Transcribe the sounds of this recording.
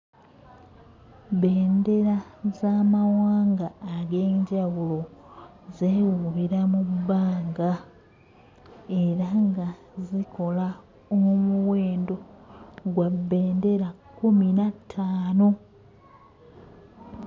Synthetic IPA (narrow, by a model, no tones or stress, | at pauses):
βe̞ːnde̞ɾazaːmawaːŋɡaːɡe̞ːɲɟawulo̞ | zewuβiɾamubːaːŋɡa | e̞ɾaŋɡa | zikʰo̞la | omuwe̞ːndo̞ɡwabːe̞ːnde̞ɾakːuminatʰːaːno̞